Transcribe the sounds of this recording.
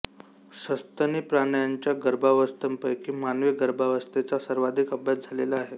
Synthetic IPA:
səst̪ənipɾanəjaɲt͡ɕjaɡəɾbʱaʋəst̪əmpəjkiːmanʋeɡəɾbʱaʋəst̪et͡sasəɾʋad̪ʱikəbʱjat̪̚d͡zʱalelaːɦe

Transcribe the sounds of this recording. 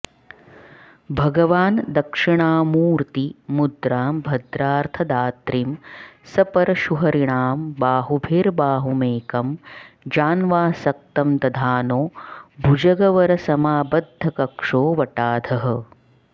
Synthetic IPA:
bʱɐɡɐʋaːnd̪ɐkʂiɳaːmuːɾt̪imud̪ɾaːmbʱɐd̪ɾaːɾt̪ʰɐd̪aːt̪ɾimsɐpɐɾɐʃuɦɐɾiɳaːmbaːɦubʱeːɾbaːɦumeːkɐmd͡ʒaːnʋaːsɐk̚t̪ɐmt̪ɐd̪ʱaːnoːbʱud͡ʒɐɡɐʋɐɾɐsɐmaːbɐd̪ʱːɐkɐkʂoːʋɐʈaːd̪ʱɐɦɐ̆

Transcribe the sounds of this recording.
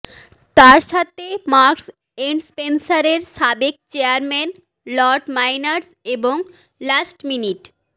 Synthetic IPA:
t̪aɾʃat̪ʰemaɾks | enspensaɾeɾʃabek̚t͡ɕeaɾmɛn | lɔɾɖmajnaɾs | eboŋ | lasʈminiʈ

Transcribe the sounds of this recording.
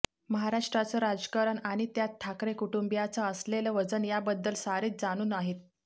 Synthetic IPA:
məɦaɾaʂʈɾat͡səɾad͡zkaɾəɳaɽ̃it̪jat̪ʰːakɾekuʈumbjat͡saəsleləʋəd͡zənjabəd̪ːəlsaɾiːt͡s̚d͡zaɽ̃uːnaɦit̪̚

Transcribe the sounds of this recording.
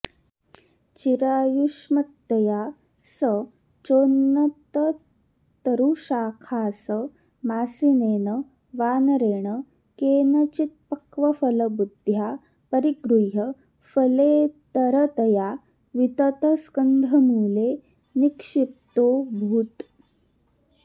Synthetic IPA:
t͡ɕiɾaːjuʂmɐt̪ːɐja | sə | t͡ʃoːnːɐt̪ə | t̪ɐɾuʃaːkʰaːsə | maːsineːɳə | ʋaːnɐɾeːɳə | keːnɐt͡ʃit̪̚pɐkʋɐfɐlɐbud̪ʱja | pɐɾiɡɾujɐ | fɐlet̪ɐɾət̪ɐja | ʋit̪ɐt̪əskənd̪ʱɐmuːle | nikʂip̚t̪oːbʱuːt̪

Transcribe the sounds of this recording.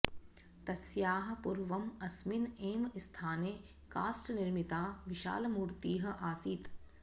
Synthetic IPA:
t̪ɐsjaːɦɐ̆pʊɾʋɐmɐsmineːmɪst̪ʰaːneː | kaːsʈnɪɾmit̪aːʋɪʃa̰ːlɐmuːɾt̪iːɦɐ̆ʔaːsiːt̪

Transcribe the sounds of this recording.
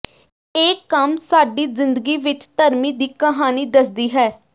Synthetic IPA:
eːkːəmsaːɖiːzɪnd̪əɡiːʋɪt͡ʃt̪əɾmiːd̪iːkəɦaːniːd̪əsd̪iːɦɛː

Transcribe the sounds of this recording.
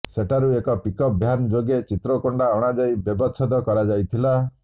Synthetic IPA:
seʈaɾuekɔpikɔp̚bʱjanɔd͡ʒoɡet͡ʃit̪ɾɔkɔɳɖaɔɽ̃ad͡ʒajbjebɔt͡ʃʰɔd̪ɔkɔɾad͡ʒajt̪ʰila

